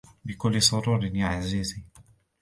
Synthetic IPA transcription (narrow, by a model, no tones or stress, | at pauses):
bɪkʊlːsˤʊɾuːɾnjaʕazizi